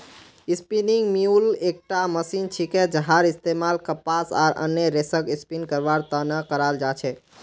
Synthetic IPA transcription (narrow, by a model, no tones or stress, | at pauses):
ispiniŋɡmiulek̚ʈaməsint͡ʃʰiked͡ʒəɦaɾist̪emalkəpasa̰ːɾʔə̰njəɾesəkispinkəɾʋaɾt̪ənəkəɾald͡ʒat͡ʃʰɛ